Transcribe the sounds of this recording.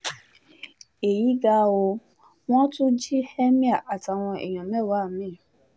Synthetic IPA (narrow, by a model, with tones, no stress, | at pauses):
e˨ji˨˦ɡa˧˦o˧ | w̃ɔ̃˦tu˦d͡ʒi˦hɛ˦mĩ˦a˦˨ʔa˨ta˨w̃ɔ̃˧ʔḛ˨j̃ɔ̃˨mɛ˦˨wa˨˦˨mĩ˦˨